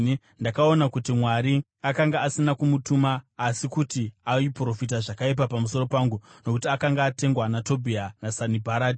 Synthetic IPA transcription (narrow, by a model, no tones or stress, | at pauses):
ndakao̞nakutimwaɾi | akaŋɡaːsinakumutumaːsikutiaipro̞fit̬aʐakaip̬apamuso̞ro̞paːŋɡuno̞kutiakaŋɡaːte̞ŋɡwanato̞bʱianasanibʱaɾaːdi